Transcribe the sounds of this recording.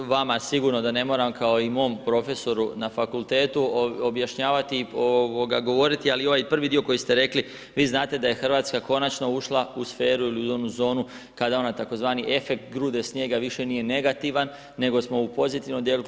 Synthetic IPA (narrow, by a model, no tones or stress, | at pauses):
ʋamasiɡuɾno̞d̪ane̞mo̞ːɾamkao̞imo̞ːmpɾo̞fe̞so̞ɾunafakulˠt̪e̞ːt̪uobjaʃɲaːʋat̪iooɡaɡo̞ʋo̞ɾit̪ialio̞ʋajpr̩ʋid̪io̞ko̞jist̪e̞ɾe̞kli | ʋiːznaːt̪e̞d̪aje̞xr̩ʋaːt̪skako̞nat͡ʃno̞uʃlˠausfe̞ːɾuiliuo̞nuzo̞ːnu | kad̪ao̞nat̪ako̞zʋaːniʔe̞fe̞k̚t̪ɡɾuːd̪e̞sɲje̞ːɡaʋiʃe̞nije̞ne̞ɡat̪iʋanː | e̞ɡo̞smo̞upo̞zit̪iʋnomd̪je̞lu